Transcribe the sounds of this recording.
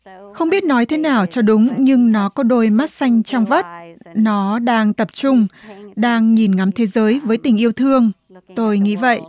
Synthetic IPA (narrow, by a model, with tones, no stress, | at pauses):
xə˧wŋ͡mɓi˦˥t̚nɔ˨˦jt̪ʰe˨˦naː˨˩wt͡ɕɔ˧ɗʊ˨˦ŋ͡mɲɨ˧ŋnɔ˨˦kɔ˨˦ɗo˧jma˦˥t̚sa˧jŋ̟t͡ɕɔ˧wŋ͡mvə˦˥t̚nɔ˨˦ɗaː˧ŋt̪ə˨˩p̚t͡ɕʊ˧ŋ͡mɗaː˧ŋɲi˨˩nŋa˨˦mt̪ʰe˨˦zəː˨˦jvəː˨˦jt̪ï˨˩ŋ̟ʔi˧əwt̪ʰɨ˧əŋ | t̪o˧jŋḭ˧˥və̰˧˨jʔ